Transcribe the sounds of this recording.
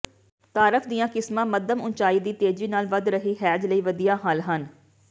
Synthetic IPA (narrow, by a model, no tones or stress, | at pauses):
t̪aːɾəfʰd̪ijãːkɪsmãːməd̪əmʊnt͡ʃaːiːd̪iːt̪eːd͡ʒiːnaːlʋəd̪ɾəɦiːɦɛːd͡ʒləiːʋəd̪ijaːɦəlɦən